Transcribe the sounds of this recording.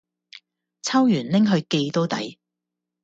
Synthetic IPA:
t͡sʰɐ˥wjyː˨˩nlɪ˥ŋɦɵ˧ɥke˧jt̪o˥wt̪ɐ̰˨˥j

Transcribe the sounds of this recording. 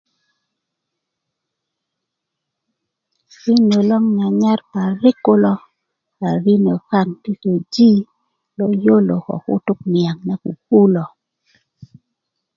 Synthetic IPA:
ɾi˦no˨lɔ˦ŋɲa˨ɲa˦rpa˨ɾɪ˦kʊ˦lɔ˦ | a˨ɾi˦no˨ka˦ŋti˦so˨d͡ʒi˦ | lo˦jo˦lo˨kɔ̰˨kʊ̰˦tʊ˦knja˨ŋnɛ˦kṵ˨pu˦lɔ˨

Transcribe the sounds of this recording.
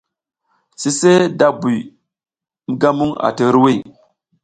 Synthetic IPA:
si˦se˦da˦bu˨j | m̩˦ɡa˦mu˦ŋa̰˨tə˨˦ɾwi˦˨

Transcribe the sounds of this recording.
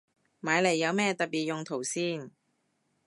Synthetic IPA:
maː˨˧jle˨˩jːɐ˨˧wmɛː˥t̪ɐ˨t̚piː˨t̚jʊ˨ŋt̪ʰo˨˩wsiː˥˩n

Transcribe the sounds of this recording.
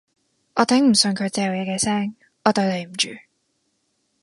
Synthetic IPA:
ʔɔː˨˧t̪ʰɛ˨˥ŋm̩˨˩sɵ˧nkʰɵ˨˧ɥt͡sɛː˧jɐ˨wjɛː˨˧kɛː˧sɛː˥ŋ | ɔː˨˧t̪o˧t̪e˨˧jm̩˨˩t͡ʃy̰ː˨˧

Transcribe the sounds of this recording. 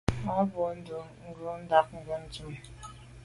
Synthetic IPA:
a˦bo˨n̩˦du˨ŋ̩˦ɡə˦n̩˦da˦k̚ŋ̩˦ɡə˦n̩˦tu˦m

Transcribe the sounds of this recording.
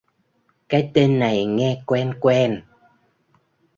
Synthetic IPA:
kaː˨˦jt̪e˧nːa˨˩jŋɛ˧kwɛ˧nkwɛ˧n

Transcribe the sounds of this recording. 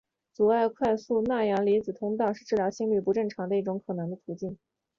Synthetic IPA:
t͡su˨˩a˥˩ɪkʰwa˥˧ɪsu˥˧na˥˩jɑ˧˥ŋli˧˥t͡sɹ̩˨˩t̪ʰʊ˥ŋt̪ɑ˥˧ʊʂɻ̩˥˧ʈ͡ʂɻ̩˥˩ljɑ˧˥ʊɕi˥˧ŋly˥˩pu˧˥ʈ͡ʂɤ˥˩ŋʈ͡ʂʰɑ˧˥ŋd̪ə˧i˥˩ʈ͡ʂʊ˧˥ŋkʰɤ˨˩nɤ˧˥ŋd̪ə˧t̪ʰu˧˥t͡ɕi˥˩n

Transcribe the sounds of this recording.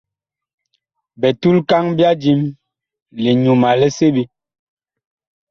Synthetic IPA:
bɛ˨tu˦lka˦ŋbja˦d͡ʒi˦m | li˨ɲu˨ma˨lɛ˦se˦bi˦

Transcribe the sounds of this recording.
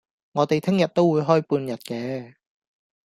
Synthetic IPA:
ŋɔː˨˧t̪e˨jt̪ʰɪ˥ŋjɐ˨t̚t̪o˥wuː˨˧jɦɔː˥jpuː˧njɐ˨t̚kɛː˨˥

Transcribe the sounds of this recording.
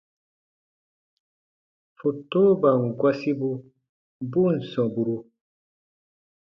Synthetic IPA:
fu˨toː˦ba˨ŋ˨ɡwa˦si˦bu˦ | bu˦n̩˨sɔ̃˨bu˨ɾu˨

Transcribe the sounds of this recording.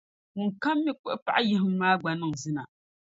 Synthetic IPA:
mʊ˨ŋ˨ka˦mːɪ˦k͡pʊ˦ʔpa̰˨ʔa˦jɪ˦ɦɪ˦m˦maː˦ɡ͡ba˨nɨ˦ŋ˨zɪ˦na˨

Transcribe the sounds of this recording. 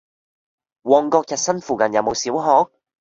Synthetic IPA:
wɔː˨ŋkɔː˧k̚jɐ˨t̚sɐ˥nfuː˨˩kɐ˨njɐ˨˧wmo˨˧wsiː˨˥wɦɔː˨˥k̚

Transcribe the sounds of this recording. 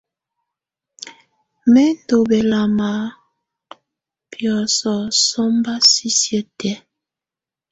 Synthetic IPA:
mɛ˦n˦do˨bɛ˨la˨ma˨ | pjɔ˨sɔ˨sɔ˦mba˦si˦sjə˦tɛ˦

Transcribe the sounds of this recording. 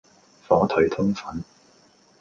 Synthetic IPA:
fɔː˨˥t̪ʰɵ˨˩ɥt̪ʰʊ˥ŋfɐ˨˥n

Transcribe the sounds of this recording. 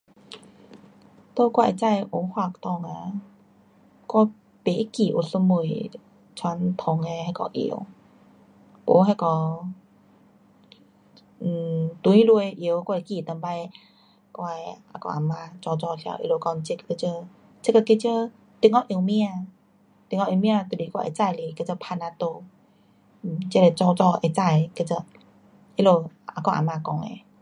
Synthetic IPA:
t̪o˧˦kwa˧˨t͡sa˥˧jʔo˧˦ŋhwa˧˩˨k̚t̪ɔ˧˩ŋa˧ | kɔ˧˩ | pe˨˦ki˨˩ʔo˨˩su˧mu˧˩˨j | t͡sʰwa˧˦nt̪ʰɔ˧ŋe˧ha˧jkɔ̰˧ʔḭ˧˨˩ə˦w | o̰˨˧˦ɦa˧jkɔ˧˩˨ | t̪u˧˦ĩ˦lu˧e˧ʔi˧˨˦wkwa˧˨i˧ki˧˩˨t̪ə˧mba˧j | kwa˧ʔa̰˧˩kɔ̰˧ʔa˨˧˩mã˧t͡sɔ˧t͡sɔ˧˨˧kʰa̰˧˦˨ʔḭ˧lo˧˨kɔ˧ŋt͡ɕi˧˦kke˧t͡ɕə˧ | t͡ɕe˦kə˧ke˧t͡ɕə˧˦ | t̪i˧ŋɔ˧ʔi˧mĩ˦˧a˧ | t̪i˧˨ŋɔ˧mĩ˧a˧t̪u˧˩li˨˧˦kwa˧˨ḛ˧t͡sa˧˨jli˧˨ke˧˨t͡sə˧˨pʰa˧na˧t̪o˧˨˩ | t͡ɕe˧˥le˧t͡sɔ˧t͡sɔ˧ʔe˧˩t͡sa˧˨jke˧t͡sə˧ | ʔi˧lo˧a̰˧˩kɔ˧˨ʔa̰˧˩mã˧˨kɔ˧˨ŋḛ˧˨

